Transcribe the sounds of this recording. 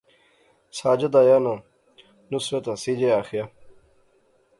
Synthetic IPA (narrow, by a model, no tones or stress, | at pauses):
saːd͡ʑɐd̪aːjanã | nuswet̪asid͡ʑeaːxija